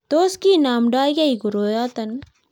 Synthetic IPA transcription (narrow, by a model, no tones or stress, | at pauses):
t̪oːskiːnaːmɖaːjɡɐiɡʊɾoːjaːt̪ɐn